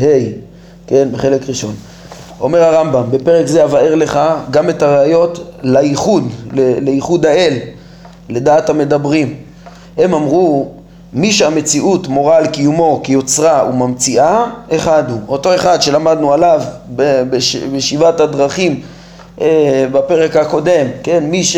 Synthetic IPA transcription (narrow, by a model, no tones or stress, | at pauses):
hej | ke̞nbeχe̞le̞kʁiʃo̞n | o̞me̞ʁaʁambambe̞peʁekzeavaeʁle̞χaɡame̞taʁeajo̞tlaiχud̪leleiχud̪ae̞l | le̞d̪aathame̞dabʁim | he̞mamʁu | miʃeame̞t͡siʔutmo̞ʁaːlkijumo̞kijo̞t͡sʁaumamt͡siʔae̞χad̪uo̞to̞e̞χad̪ʃe̞lamad̪nualavbebeʃbeʃivathad̪ʁaχim | ebape̞ʁe̞khako̞de̞mkenmiʃ